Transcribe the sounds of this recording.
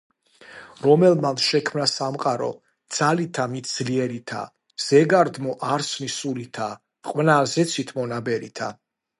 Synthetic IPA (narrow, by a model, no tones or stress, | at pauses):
ɾɔmɛlmamsʃɛkʰmnasamqʼaɾɔ̰ | d̪z̥alit̪ʰamit̪̚ʰd̪z̥liɛɾit̪ʰa̰ | z̥ɛɡaɾd̪mɔʔaɾsnisulit̪ʰa | qʼwnaːzɛt̪sʰit̪ʰmɔnabɛɾḭt̪ʰa̰